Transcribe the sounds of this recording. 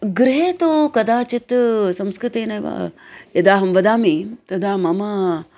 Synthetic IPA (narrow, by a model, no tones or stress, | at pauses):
ɡɾɪɦeːt̪ukɐd̪aːt͡ʃit̪sɐmskɾɨt̪eːnɐjʋa̰ːjɐd̪aːɦɐmʋɐd̪aːmit̪ɐd̪ʱaːmɐmɐ